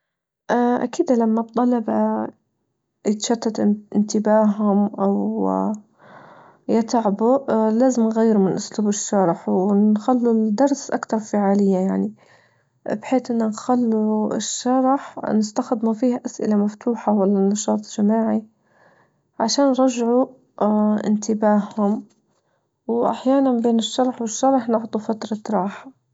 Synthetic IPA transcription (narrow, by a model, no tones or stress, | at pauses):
ʔaʔa̰kiːd̪lamːab̚t̪ˤːɑlɑba | jɪt̪ʃat̪ːat̪ɪnt̪ɪbaːɦʊmʔaw | jɪt̪ʕbulaːzɪmnɣajːɪɾʊmɪnʔʊsluːbɪʃːɑɾˤħwnxalːud̪ɑɾˤsʔakt̪ɑɾˤfaʕaːlɪjːajaʕni | bħeːt̪ʔɪnːʊnxalːuɪ̰ʃːɑɾˤħnɪst̪axɪd̪mafiːhaʔasʔɪ̰lamaft̪ʰuːħawalːanːɑʃɑːt̪ˤʒamaːʕi | ʕaʃaːnɾˤɑʒʕu | ʔɪ̰nt̪ɪbaːhʊm | wʔa̰ħjaːnanbeːnɪʃːɑɾˤħwɪʃːɑɾˤħnɪʕd̪ˤufat̪ɾˤɑtɾˤɑːħḁ